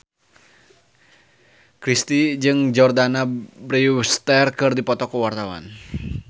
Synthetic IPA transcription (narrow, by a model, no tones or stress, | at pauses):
kɾist̪id͡ʒɨŋd͡ʒɔrdanabɾist̪ɛrkɨrdipɔt̪ɔkuwart̪awa̰n